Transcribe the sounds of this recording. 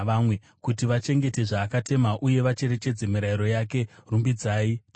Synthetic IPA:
ʋamwe | kutiʋat͡ʃe̞ŋɡe̞te̞ʐaːkate̞maʔuje̞ʋat͡ʃe̞ɾe̞t͡ʃe̞d͡ze̞miɾaiɾo̞jake̞rumbid͡zaːi

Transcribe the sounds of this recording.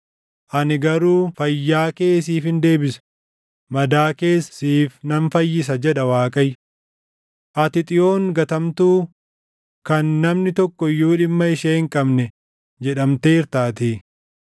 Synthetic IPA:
ʔɐnɪɡɐɾuːfɐjːaːke̞ːs̬iːfɪnd̪e̞ːbɪsɐ̥ | mɐd̪aːke̞ːssiːfnɐnfɐjːɪs̬ɐd͡ʒɛᶑɐwaːkʼɐj | ʔɐt̪ɪt̪ʼɪjo̞ːŋɡɐt̪ɐmt̪uː | kɐnːɐmnɪt̪ɔkːɔɪjːuːᶑɪmːɐɪʃeːɪŋkʼɐbnɛ | d͡ʒɛᶑɐmt̪eːɪɾt̪aːt̪iː

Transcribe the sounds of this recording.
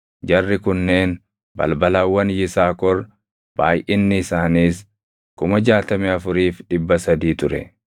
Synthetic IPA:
d͡ʒɐrːɪkʊnːe̞ːn | bɐ̰lbɐlaːwːɐnjɪsaːkɔɾ | b̥a̰ːjʔɪnːɪɪsaːniːs | kʊmɐd͡ʒaːt̪ɐmɛɐfʊɾiːfᶑɪbːɐsɐd̪iːt̪ʊɾɛ̰

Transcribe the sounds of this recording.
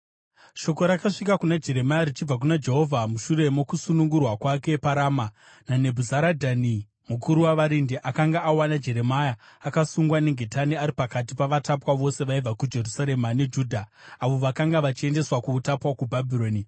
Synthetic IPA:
ʃo̞ko̞ɾakaʂikakunad͡ʒe̞ɾe̞majaɾit͡ʃib͡vak̬unad͡ʒe̞ɦo̞vʱamuʃuɾe̞mokusunuŋɡurwakwakepaɾaːma | nane̞bʱuzaɾadʱani | mukʰuɾuwaʋaɾindeʔakaŋɡaʔːwanad͡ʒe̞ɾe̞majaːkasuŋɡwane̞ŋɡʱe̞taniaɾipakatipaʋatapwaʋo̞se̞ʋaib͡vakud͡ʒe̞rusaɾe̞mane̞d͡ʒuːdʱaaʋo̞ʋakaŋɡaʋat͡ʃie̞nde̞swakuːtapwakubʱabʱiɾo̞ːni

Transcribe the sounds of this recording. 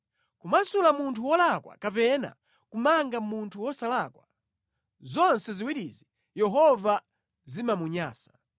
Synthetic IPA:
kumasulamuntʰuwɔlakwa̰kapɛna̰ | kumaŋɡamuntʰuwɔsalakwa | zɔnsɛziwiɗizi | jɛɦɔva | zimamuɲaːsḁ

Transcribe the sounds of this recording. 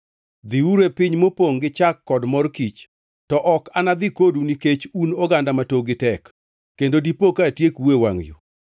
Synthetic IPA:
d̪iuɾepɪɲmopoŋɡɪt͡ʃakːɔdmɔrkit͡ʃ | tɔʔɔkanad̪ikoduniket͡ʃunɔɡandamatoɡɪtɛkː | endodipokatjekwewa̰ŋjo̰

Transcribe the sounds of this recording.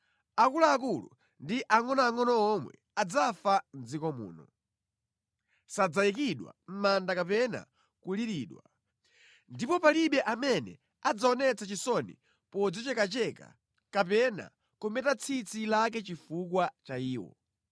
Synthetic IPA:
akulaːk̬ulṵ | ndiʔaŋɔnɔaŋɔnɔɔmwɛ̰ | ad͡zafan̩d͡zikɔmṵːnɔ̰ | sad͡zajik̬iɗwa̰m̩mandakapɛna̰ | kuliɾiːɗwa | ndipɔpaliɓɛʔamɛnɛ̰ | ad͡zaɔnɛt͡sat͡ʃisɔnḭ | pɔd͡zɔt͡ʃɛkat͡ʃɛka̰ | kapɛna̰ | kumɛtat͡sʰit͡sʰilak̬ɛt͡ʃifuk̬wat͡ʃaiːwɔ̰

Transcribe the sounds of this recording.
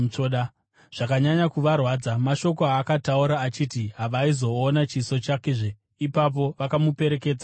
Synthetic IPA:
t͡ʂoɗa | ʐ̥akaɲaɲakuʋarwaːd͡zamaʃo̞ko̞aːkatauɾaːt͡ʃitiɦaʋaizo̞ːnat͡ʃiso̞t͡ʃakeʐe | ipap̬o̞ʋakamupe̞ɾe̞ke̞ːd͡za

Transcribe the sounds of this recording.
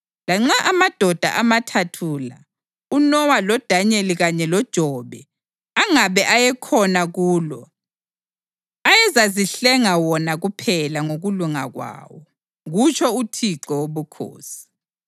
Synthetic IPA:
laŋ͡ǁaʔamad̥ʱɔd̥ʱa̰ʔamatʰatʰula̰ | unɔwalɔd̥ʱaɲeliɣaɲɛlɔd̥ʒ̥ʱɔβɛ | aŋaβɛʔajɛkʰɔnaɣuːlɔ | ajɛzaziɬɛŋawɔnaɣupʰɛlaŋoɣuluŋa̰ɣwa̰ːwɔ | ɣut͡ʃʰɔutʰiǀɔwoβukʰo̰ːsi̥

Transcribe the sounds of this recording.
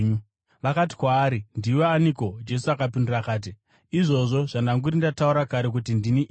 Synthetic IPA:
ʋakati̥kwaːɾindiwoaniko̞d͡ʒe̞suakapindurakaːt̬i | iʐo̞ʐo̞ʐandaŋɡuɾindatauɾakaɾe̞k̬utindiniʔ

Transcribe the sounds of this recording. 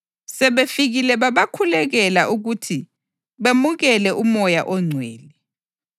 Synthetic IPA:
sɛβefiɣilɛβaβakʰulɛɣɛlaʔuɣutʰi | βemuɣɛlɛʔumɔjaʔɔŋ͡ǀʱweːli

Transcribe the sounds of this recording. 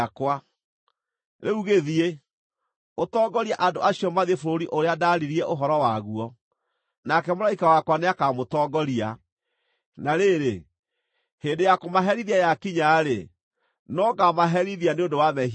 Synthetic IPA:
kwa | ɾeuɣeðie | otɔːɡɔɾiaʔandoʔaɕiɔmaðefoɾoɾiʔoɾeadaɾiɾiɛʔoɦɔɾɔwaɣuɔ | nakɛmoɾaikawakwaneakamotɔɡɔɾia̰ | naɾeːɾe | heːndejakomaɦɛɾiðiajakiɲaɾḛ | nɔkamaɦɛɾiðianeõndowamɛ

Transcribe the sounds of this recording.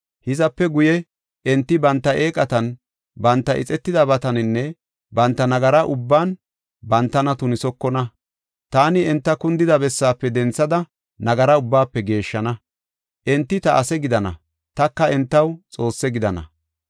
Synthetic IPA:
hɪzɐpːɛɡʊjɛ | ʔɛnt̪ːɪbɐnt̪ːɐeːkʼɐt̪ɐn | bɐnt̪ːɐʔɪ̰t͡sʼɛt̪ːɪd̪ɐbɐt̪ɐnɪnːɛ | bɐnt̪ːɐnɐɡɐɾɐʔʊbːaːn | bɐnt̪ːɐnɐt̪ʊnɪsɔkːɔnɐ | t̪aːnɪɛnt̪ːɐkʊnd̪ɪd̪ɐbɛsːaːpːɛd̪ɛnt͡sːɐd̪ɐ | nɐɡɐɾɐʊbːaːpːɛɡe̞ːʃːɐnɐ | ʔɛnt̪ːɪt̪ɐʔɐsɛɡɪd̪ɐnɐ̰ | t̪ɐkːɐɛnt̪ːɐwt͡sʼo̞ːsːɛɡɪd̪ɐnɐ̰

